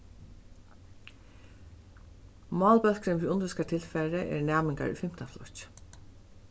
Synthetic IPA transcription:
mɑːlpœl̥kɾɪnʋiːʊnʏskat̪ʰɪlfɛːɾəʔɛ̰ɹnæːmɪŋka̰ɹʏ̰fɪm̥t̪anflɔt͡ʃ

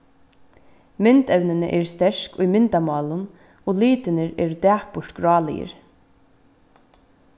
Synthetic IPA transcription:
mɪnt̪ɛwnɪnəʔɛɾst̪ɛʂkʊjmɪnt̪amɑːlʊn | oːliːt̪ɪnɪɾɛːɾd̪æːpʊɹt̪ɡɾɑːlɪ̰jɪ̰ɾ

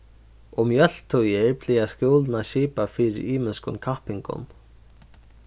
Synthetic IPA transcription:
ʊmjœl̥t̪ʰujɪɹpʰl̥ɪːaskjoːlnaʃiːpafiːɾɪ̰ɾiːmɪnskʊ̰nkʰahpɪŋkʊ̰n

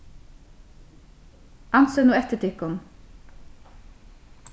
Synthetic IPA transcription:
ʔɑnsønuːɛt̪əʈɪkʊn

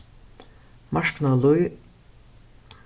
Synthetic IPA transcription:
maʃknalˠuj

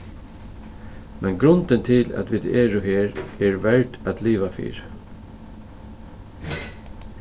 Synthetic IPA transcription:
mʔɛnɡɾʊnt̪ənt̪ʰɪlæ̰t̪ʋid̪eːɾʊɦeːɹɛɹʋɛɹʈæt̪ʰliːʋafḭːɾ

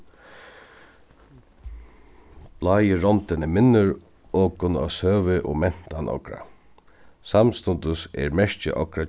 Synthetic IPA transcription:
b̥laːjɪɹɔnt̪ɪnɪmɪnːʊɹ | ɔːkʊna̰sœːʋɪʔɔ̰mɛn̥t̪anʔɔ̰kɾa̰ | samst̪ʊnt̪ʊsɛ̰ɹmɛʂt͡ʃɪ̰ʔɔkɾa

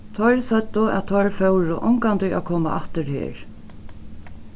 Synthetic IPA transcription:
t̪ʰɔjɾsœt̪ːʊæ̰ðt̪ʰɔjɾfɛwɾʊʔɔŋkant̪ɪakʰɔːma̰ʔa̰ht̪ɪɾhḛːɾ

